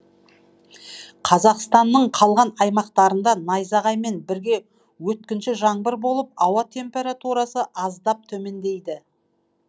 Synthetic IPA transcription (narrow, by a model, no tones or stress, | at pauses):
qʰɑzɑqst̪ɑnːəɴqʰɑlˠʁɑnɑjmɑqt̪ɑɾənd̪ɑnɑjzɑʁɑjme̞nbɪɾɡʲe̞ | wɵt̪kʲɪnʃɪʒɑɴbəɾbo̞lˠəp̚ɑwɑt̪ʰe̞mpe̞ɾat̪uɾɑsəʔɑzd̪ɑp̚t̪ʰɵme̞nd̪e̞jd̪ɪ